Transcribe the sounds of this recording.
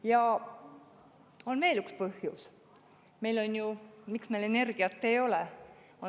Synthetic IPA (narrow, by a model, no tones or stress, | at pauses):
jɑ | o̞nme̞ːlykspɤhjus | me̞jlo̞nʲjumiksmele̞ne̞rɡ̥iɑt̪ːe̞jo̞le | o